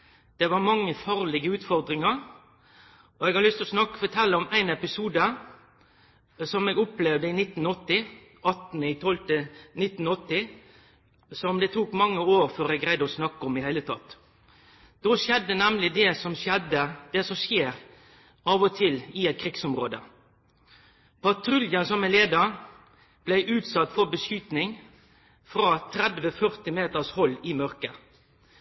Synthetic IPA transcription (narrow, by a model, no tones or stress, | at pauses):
d̪̥ɛʋɑɾmɑŋːəfɑːɾlɪɡəʉːt̪fɔɾd̪ɾɪŋəɾ | ʔɔɛɡhɑɾlʏst̪ɔsnɑkːfɔt̪ʰɛlːəɔmæɪnɛpɪsuːd̪ə | sɔmɛːɡʊplɛʋd̪əɪnɪt̪ːn̩ɔt̪ːɪ | ɑt̪nɪt̪ʰɔlt̪ənɪt̪ːn̩ɔt̪ːɪ | sɔmd̪ɛt̪ʰuːkmɑŋːəoːɾføːɾɛɡɾæɪd̪ɔsnɑkːəɔmɪhæɪlət̪ʰɑt̪ː | d̪̥oːʃjɛd̪ːənɛmlɪd̪ɛsɔmɛd̪əd̪̥ɛsɔmʃjeːɾ | ɑːʋɔt̪ʰɪlɪɛt̪̚kʰʁɪɡsɔmʁo̰ːd̪ə̰ | pʰɑt̪ʰɾʉljənsɔmæɪnleːd̪əʁ | b̥læɪʔʉːt̪sɑt̪ːfɔbəsjʉːt̪nɪŋ | fɾɑːt̪ʰɾɛd̪ʋəfœʁt̪ɪmeːt̪əshɔlːɪmœɾkə